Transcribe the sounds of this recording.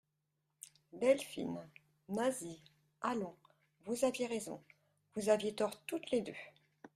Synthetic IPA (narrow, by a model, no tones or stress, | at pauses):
b̪ɛlfḭn | nazi | alɔ̃ | vuzavjeʁezɔ̰̃ | vuzavjet̪ɔʁt̪ut̪led̪ø